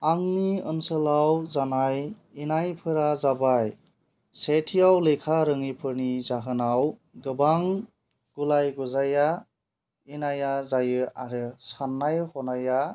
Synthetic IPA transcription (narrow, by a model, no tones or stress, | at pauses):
aŋniɯnsəlawzanaj | inajpʰɯɾazabaj | setʰijawlejkʰaɾɯŋipʰɯɾnizaɦɯnawɡɯbaŋ | ɡ̥ulajɡuzaja | inajazajɯaɾɯsanːajhɔnaja